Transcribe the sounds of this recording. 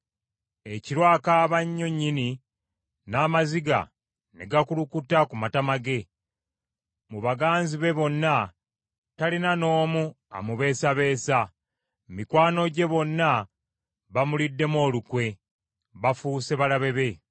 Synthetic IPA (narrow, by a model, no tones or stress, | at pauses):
e̞ciɾwaːkaːβaɲːo̞ɲːini | naːmaziɡa̰ | neɡakulukutakumatamaɡe̞ | muβaɡaːnziβe̞βo̞nːa | talinano̞ːmu | a̰muβe̞ːsaβe̞ːsa | mikwaːno̞ɟe̞βo̞nːa | βamulidːe̞mo̞ːlukwe̞ | βafuse̞βalaβe̞βe̞